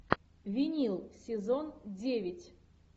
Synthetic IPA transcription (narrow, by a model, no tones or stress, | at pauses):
vʲinʲilˠsʲɪzondʲevʲɪtʲ